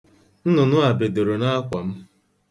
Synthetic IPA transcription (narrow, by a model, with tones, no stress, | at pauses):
n̩˦nʊ˨nʊ˦a˨be˨de˨ɾo˨na˦kʷa˨m̩˦